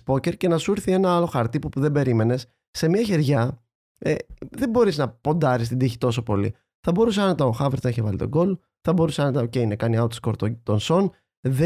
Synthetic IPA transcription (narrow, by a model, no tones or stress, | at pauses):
po̞ce̞ɾce̞nɐsuiɾθie̞nɐɐlo̞xɐɾt̪ipopuðe̞be̞ɾime̞ne̞s | se̞mɐçe̞ɾʝɐ | ḛðe̞bo̞ɾiznɐpo̞nd̪ɐɾist̪ind̪içi̥t̪o̞s̬o̞po̞lḭ | θɐbo̞ɾus̬eɐnet̪ɐnoxɐveɾt̪ɐiçevɐlit̪o̞̰ɡo̞l | θɐbo̞ɾuseɐnt̪ɐocejinɐkɐniɐot̪sko̞ɾt̪ot̪o̞nso̞n | ðe